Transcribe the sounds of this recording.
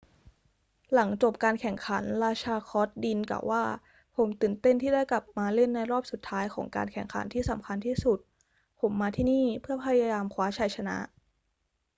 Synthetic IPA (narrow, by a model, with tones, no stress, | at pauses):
la˩˦ŋt͡ɕo˨˩p̚kaː˧nkʰɛ˨˩ŋkʰa˩˦nɾaː˧t͡ɕʰaː˧kʰɔː˦˥t̪̚di˧nka̰˨˩wʔaː˥˩ | pʰo˩˦mt̪ɯː˨˩nt̪e˥˩nt̪ʰiː˥˩da˥˩jkla˨˩p̚maː˧le˥˩nːa˧jɾɔː˥˩p̚su˨˩t̪ʰːaː˦˥jkʰɔː˩˦ŋka̰ː˧nkʰɛ˨˩ŋkʰa̰˨˩˦nt̪ʰiː˥˩sa˨˩˦mkʰa˧nt̪ʰiː˥˩su˨˩t̪̚ | pʰo˩˦mːaː˧t̪ʰiː˥˩niː˥˩pʰɯ˥˩ɐpʰa˧jaː˧jaː˧mkʰwaː˦˥t͡ɕʰa˨˧˩jt͡ɕʰa˧na̰˦˥ʔ